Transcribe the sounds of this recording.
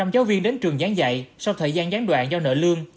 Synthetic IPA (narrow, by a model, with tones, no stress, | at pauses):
ɔ˧wŋ͡mzaː˨˦wvi˧ənɗe˨˦nt͡ɕɨ˨˩əŋzaː˨˦ŋza̰˧˨jsa˧wt̪ʰəː˨˩jzaː˧nzaː˨˦nɗwa̰ː˧˨nzɔ˧nə̰ː˧˨lɨ˧əŋ